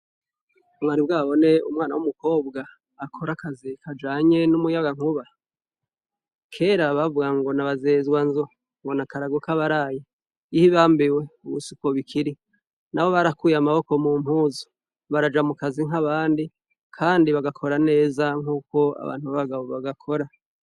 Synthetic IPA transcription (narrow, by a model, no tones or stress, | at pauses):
mwaɾibɡaːβo̞ne̞umŋaːna̰wumuko̞ːbɡaː | kʰo̞ɾakazikʰad͡ʒaːɲe̞numujaɡaŋ̥uβa | kʰe̞ːɾaβavuɡaŋɡo̞naβazeːzwanzo | ŋɡo̞nakaɾaɡokaβaɾaːji | ihiβaːmbiwe̞uβṵsuko̞βikʰiɾi | naβo̞βaɾakuːjamaβo̞ko̞muːm̥huːzo̥ | βaɾad͡ʒamukaziŋ̥aβaːndi | kʰaːndiβaɡakʰo̞ɾane̞ːzaŋ̥uːko̞a̰βa̰ːn̥huβaβaɡaβoβaɡakʰo̞ɾa